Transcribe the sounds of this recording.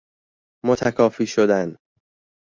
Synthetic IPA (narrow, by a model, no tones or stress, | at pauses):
mot̪ʰækʰɒːfiːʃod̪æn